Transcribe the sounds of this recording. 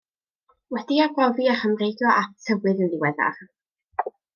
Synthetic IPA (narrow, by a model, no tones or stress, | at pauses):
wɛdiaɡɔviaχəmrejdɔʔatʰəwɨððɪwɛða̰χ